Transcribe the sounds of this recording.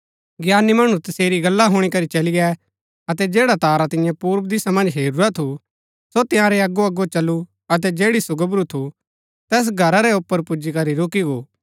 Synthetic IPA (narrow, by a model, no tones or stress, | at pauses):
ɡjaːnimɐɽ̃ũt̪ɐseːɾiɡɐlːaɦʊɽ̃ikɐɾit͡ʃɐliɡɛ | ɐt̪ɛd͡ʒeːɽat̪aːɾat̪ɪ̃jɛ̃puːɾbd̪ɪsamɐ̃nd͡ʒɦeːɾuɾat̪ʰu | sot̪ɪ̃jãɾɛɐɡoɐɡot͡ʃɐlːu | ɐt̪̬ɛd͡ʒeːɽisʊɡəbɾut̪ʰu | t̪ɛːs̬ɡʱɐɾaɾɛʊpːəɾpʊd͡ʒikɐɾiɾoːkiɡoː